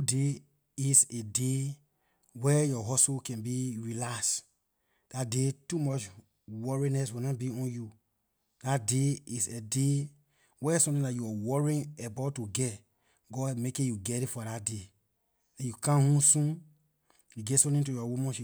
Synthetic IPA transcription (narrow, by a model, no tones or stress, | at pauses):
ude | isede | wɛjɔɦɔsukɛ̃nbiɹilas | d̥at̚detumɔt͡ʃ | wɔɹinɛswinabiɔ̃nju | d̥at̚deisede | wɛsɔ̃mtĩndajuawɔɹĩnebatuɡɛt | ɡɔmekĩjuɡɛɾifɔdat̚de | ɛ̃jukãnhũsũn | jiɡɛtsɔ̃tĩŋtujɔwomɔ̃ʃi